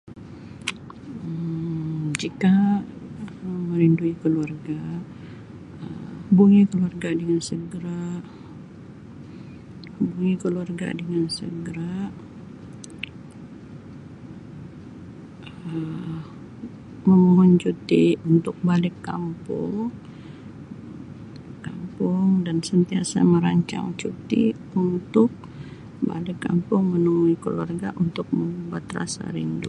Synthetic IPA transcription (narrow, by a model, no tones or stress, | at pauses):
d͡ʒika | məɾinduikəluarɡa | əbuŋikəluarɡadəŋansəɡəɾa | buŋikəluarɡa̰dəŋansə̰ɡəɾaʔ | ə | məmuɦʊnt͡ʃut̪iunt̪ʊk̚balɪkːampʊ̰ŋ | kampʊŋdansənt̪iasa̰məɾaɲt͡ʃa̰ŋt͡ʃut̪i | unt̪ʊk̚ | ba̰lɪkːa̰mpʊŋmənuuikəluarɡaʔunt̪ʊk̚məmubat̪ra̰sa̰ɾindu